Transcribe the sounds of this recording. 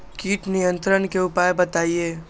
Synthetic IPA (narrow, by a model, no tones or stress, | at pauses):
kiːʈnijə̃nt̪ɾənkeʊpaːjbɐt̪aːieː